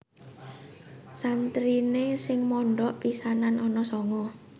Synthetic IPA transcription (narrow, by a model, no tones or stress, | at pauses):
sant̪ɾinesɪŋmɔɳɖɔʔpisananʔɔnɔsɔŋɔ